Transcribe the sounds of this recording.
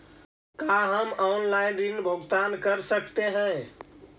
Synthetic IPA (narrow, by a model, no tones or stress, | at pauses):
kaɦəmanlajnɾinbʱoɡt̪ankəɾsəkt̪eɦɛ̃